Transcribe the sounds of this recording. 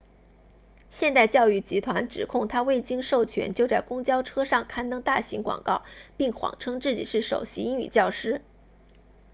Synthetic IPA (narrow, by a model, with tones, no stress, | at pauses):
ɕjɛ˥˧nt̪a˥˧ɪt͡ɕjɑ˥˧ʊy˥˩t͡ɕi˧˥t̪ʰwa˧˥nʈ͡ʂɻ̩˨˩kʰʊ˥˩ŋt̪ʰa˥we˥˩ɪt͡ɕi˥ŋʂo˥˩ʊt͡ɕʰɥɛ̰˧˥nt͡ɕjo˥˧ʊt͡sa˥˩ɪkʊ˥ŋt͡ɕjɑ˥ʊʈ͡ʂʰɤ˥ʂɑ˥˩ŋkʰa˥nt̪ɤ˥ŋt̪a˥˩ɕi˧˥ŋkwɑ̰˨˩ŋkɑ˥˩ʊpi˥˩ŋxwɑ̰˨˩ŋʈ͡ʂʰɤ˥ŋt͡sɹ̩˥˩t͡ɕi˨˩ʂɻ̩˥˩ʂo̰˨˩ʊɕi˧˥i˥ŋy̰˨˩t͡ɕjɑ˥˩ʊʂɻ̩˥